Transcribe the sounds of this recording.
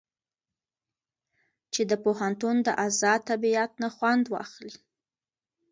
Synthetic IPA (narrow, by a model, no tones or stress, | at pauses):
t͡ʃed̪əpoɦant̪und̪əʔazɑt̪abiat̪̚naxwand̪wɑ̰xli